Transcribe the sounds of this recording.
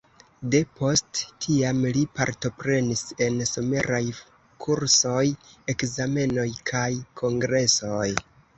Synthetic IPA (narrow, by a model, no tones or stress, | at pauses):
de̞po̞sttʰiamlipa̰ɾto̞pɾe̞nise̞nsome̞ɾaj | kʰuɾso̞je̞kzame̞no̞jkʰajkʰo̞ŋɡɾe̞so̞j